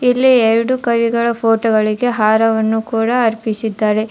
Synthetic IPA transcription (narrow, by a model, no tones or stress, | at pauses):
ilːieɾɽukɐʋiɡɐɭɐpʰoːʈɐɡɐɭiɡe̞ɦaːɾɐʋɐnːukuːɽɐɐɾpisid̪ːaːɾe̞